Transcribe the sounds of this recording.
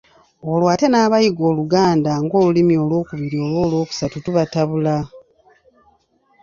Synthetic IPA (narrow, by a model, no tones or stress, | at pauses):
o̞lwaːte̞naːβajiɡo̞ːluɡaːndaŋɡo̞ːlulimio̞lwo̞ːkuβiɾio̞lwo̞ːlwo̞ːku̥satutuβataβula